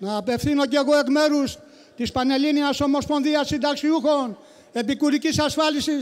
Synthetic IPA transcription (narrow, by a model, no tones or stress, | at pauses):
nɐːpe̞fθino̞ceɣo̞e̞kme̞ɾus | t̪ispɐne̞liniɐso̞mo̞spo̞nðiɐsind̪ɐksiuxo̞n | e̞pikuɾicisɐsfɐlisis